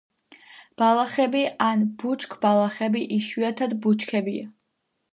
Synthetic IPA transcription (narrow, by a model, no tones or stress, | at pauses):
b̥alˠaχɛbianbut͡ʃʰkʰbalˠaχɛbiʔiʃiat̪ʰad̪but͡ʃʰkʰɛbia̰